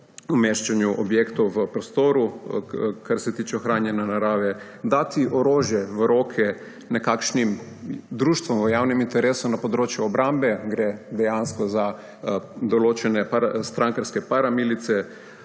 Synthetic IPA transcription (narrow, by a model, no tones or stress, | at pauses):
umeʃt͡ʃanjuʔɔbjekt̪ɔwʋəpɾɔst̪oːɾu | kaɾsɛt̪iːt͡ʃɛɔxɾaːnjɛnanaɾaːʋɛ | d̪at̪iʔɔɾoːʒjɛʋəɾoːkʰɛ | nɛkakʃnim | d̪ɾuːʃt̪ʋɔmʋəjawnimint̪ɛɾeːsunapɔd̪ɾoːt͡ʃjuɔbɾambɛɡɾed̪ɛjanskɔza | d̪ɔloːt͡ʃɛnɛpast̪ɾaŋkaɾskɛpaɾamilit̪sɛ